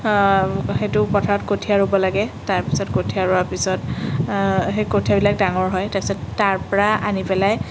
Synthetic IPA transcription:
xetʊpɔtʰaɹɔtkotʰiaɹobɔlaɡɛtaɹpi̥sɔtkotʰiaɹoapisɔt | ɦekotʰiabilak̚daŋɔɹɦɔjtapsɔttaɹpɔɹaanipɛlaj

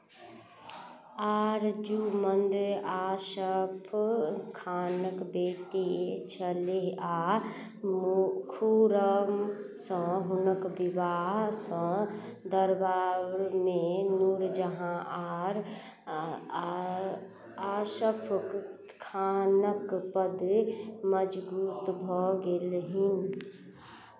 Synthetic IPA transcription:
aːɾd͡ʒumənd̪aːʃəpʰkʰaːnəkbeːʈit͡ʃʰəlea | kʰuɾəmsə̃ɦʊnəkbɪʋaːɦsə̃ | d̪əɾbaɾmenuɾd͡ʒəɦãʔaːɾ | aʃəpʰk | kʰanəkpəd̪məd͡ʒbuːt̪bʱɔɡelɦin

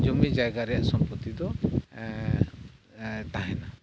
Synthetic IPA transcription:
d͡ʒɔmid͡ʒajɡaɾɛjaʔsɔmpɔt̪id̪ɔ | t̪aɦɛna

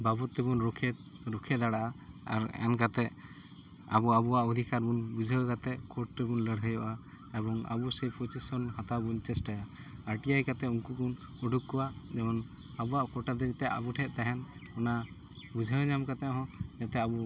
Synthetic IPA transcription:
babɔt̪ːɛbunɾɔkʰɛɾɔkʰɛd̪aɽaʔaa̰ɾa̰nkat̪ɛʔ | a̰bɔabɔaʔɔd̪ʱikaɾbunbud͡ʒʱəwkat̪ɛkɔʈ̚tɛbunləɽɦəjɔʔa | ɛbɔŋa̰busepʰɔt͡ʃisɔnhat̪abunt͡ʃɛsʈajaː | ɾʈijajkat̪ɛuŋkukunɔɖʱukːɔwad͡ʒɛmɔn | abuwaʔkɔʈad̪iɾit̪ɛʔa̰buʈʰɛʔ̚t̪aɦɛnɔna | bud͡ʒʱawɲamkat̪ɛɦɔ̃jat̪ɛabu

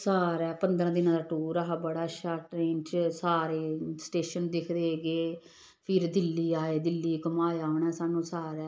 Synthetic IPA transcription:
saːɾɛːpənd̪ɾãːd̪ɪnãːd̪aːʈuːɾaɦaːbəɽaːʃaːʈɾeːnt͡ʃsaːɾeːsʈeːʃənd̪ɪkʰd̪eːɡeː | pʰɪɾd̪ɪlːiːaːeːd̪ɪlːiːkəmaːaːoɳɛːsaːnũːsaːɾɛː

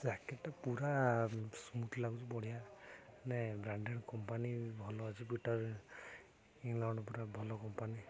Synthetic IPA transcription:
zakɛʈːapuɾasmut̪ʰlaɡud͡ʒubɔɽijanɛbɾaɳɖɛnkɔmpanibʱɔlɔad͡ʒipiʈɔɹ | iŋlaɳɖɔpɔɾabʱɔlɔkɔmpani

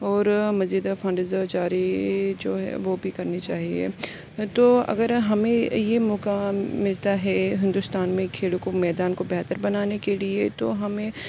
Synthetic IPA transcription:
ɔːɾmɐziːd̪afɐ̃ɳɖzt͡ʃaːɾid͡ʒo̰ːɦɛ̰ʋobʱikɐɾnit͡ʃaːɦiḛ | t̪oːɐ̰ɡəɾɦɐmẽjemɔːkamɪlt̪aɦɛɦɪ̃nd̪ʊst̪aːnmẽkʰeːɽokomɛːd̪aːnkobɛɦt̪əɾbɐnaːnekeliet̪oɦɐmẽ

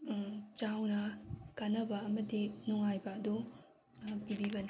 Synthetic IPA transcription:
t͡ʃawnɐkanɐbɐːmɐdinuŋajbɐːdo | pibibɐni

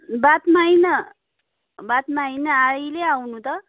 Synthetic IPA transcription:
bat̪majnʌ | bat̪mainʌaɭileawnũt̪ʌ

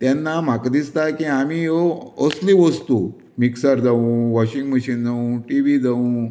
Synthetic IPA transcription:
t̪janːam̤akd̪ist̪akĩamiːjoɔsliʋəst̪u | miksaɾd͡zaʋũʋɔɕĩŋɡməɕiːnd͡zaũʈiʋid͡zaʋũ

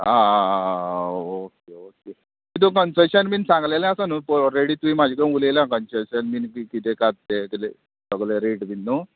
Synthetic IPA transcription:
a | okeoke | kit̪̬okənsəɕənmiːnsãŋɡlelẽasənupɾeɽiːt̪uimad͡ʑʱikə̃ulelãkənsəɕənminkikit̪ekat̪t̪ekit̪e | səɡleɾeʈminːu

